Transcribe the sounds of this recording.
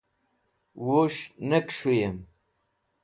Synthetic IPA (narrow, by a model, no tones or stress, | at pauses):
woʂnəkʂujem